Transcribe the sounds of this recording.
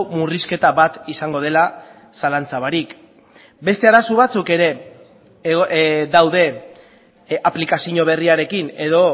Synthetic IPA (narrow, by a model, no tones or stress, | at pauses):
muriske̞t̪aβat̪isaŋɡo̞ð̞e̞la | salant͡saβaɾik | be̞st̪e̞aɾasuβ̞at͡suke̞ɾe̞ | ðawðe̞ | aplikasiɲo̞β̞e̞riaɾe̞kine̞ðo̞